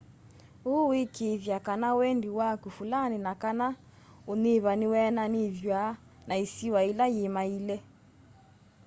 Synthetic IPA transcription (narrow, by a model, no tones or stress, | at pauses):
uwekeðjakanawɛndiwakufulaninakana | oneβaniwɛnaniðja | naisiwailajemailɛ